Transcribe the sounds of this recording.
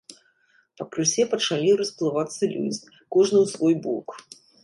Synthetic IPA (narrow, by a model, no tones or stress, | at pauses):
pɐkɾɨsʲɛpɐt͡ʂalʲirɐsplˠɨvat̪sːɐlʲṵd͡zʲi | kɔʐnɨwsvɔjbɔ̰k